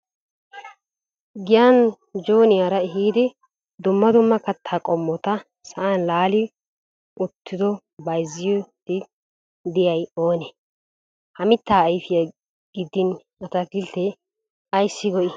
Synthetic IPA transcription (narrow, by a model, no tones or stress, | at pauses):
ɡɪjɐn | d͡ʒoːnɪjaɾɐɪɦiːd̪ɪ | d̪ʊmːɐd̪ʊmːɐkɐt̪ʰːakʼɔmːɔt̪ɐ | sɐʔanlaːlɪ | ʊt̪ʰːɪd̪ɔ | bɐjzːɪjɔd̪ɪ | d̪ɪjɐjo̞ːnɛ | hɐmɪt̪ːaːjfɪjɐ | ɡɪd̪ɪn | ɐt̪ɐɡɪlt̪ːɛ | ɐjsːɪɡɔʔɪ